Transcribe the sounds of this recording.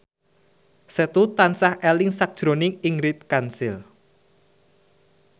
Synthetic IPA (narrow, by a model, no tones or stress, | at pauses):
sɛt̪ut̪ansahʔɛlɪŋsak̚d̥ʒ̥ɾonɪŋiŋɾɪt̪̚kansɪl